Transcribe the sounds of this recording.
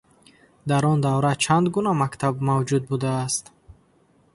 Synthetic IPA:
d̪aɾɔnd̪avɾat͡ʃʰand̪ɡunamakt̪ʰabmavd͡ʒud̪̚bud̪aːst̪

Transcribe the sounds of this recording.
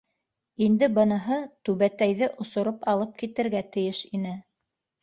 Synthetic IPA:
ind̪ɘbɤ̆nɤ̆ɦɤt̪ʉβæt̪æjðɘʔŏsŏɾopɑlˠɤp̚kit̪ɘ̆ɾɡæt̪ɘ̆jɘʃinɘ

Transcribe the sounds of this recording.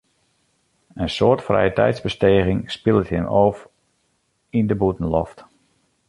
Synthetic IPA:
ənsoːrtfrɛ̰jətɛ̰jtzbəsteːɣɪŋspɪlˠətəmoːf | indəbutən̩lɔft

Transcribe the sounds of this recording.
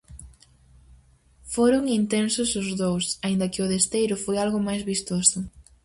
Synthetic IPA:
foɾʊŋint̪ensʊsʊzðowsaind̪ɐkɪʊðest̪ejɾʊfojalɣʊmajzβist̪osʊ

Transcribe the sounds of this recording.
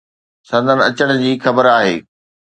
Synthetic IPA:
sɐ̃nd̪ʱənɐt͡ɕəɽ̃d͡ʑiːxɐbəɾaːɦḛː

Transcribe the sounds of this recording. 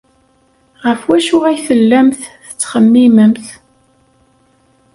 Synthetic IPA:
ʁəfwæʃʊʁæjθəlːæmθθət͡sːχəmːiməmθ

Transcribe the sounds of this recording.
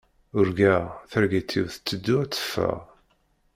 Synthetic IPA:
ʊɾɡæθæɾɡit̪ʰːiwθt͡sːəd̪ːʊæt͡sːə̥fːæ̰ʁ

